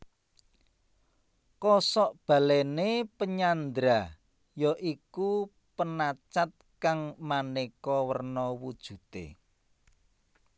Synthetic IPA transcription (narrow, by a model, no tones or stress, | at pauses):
kɔsɔʔb̥ä̤lɛnepəɲand̪ɾa | jɔʔiku | pənat͡ʃat̪̚kaŋmanekɔwərnɔwud̥ʒ̥ṳt̪ḛ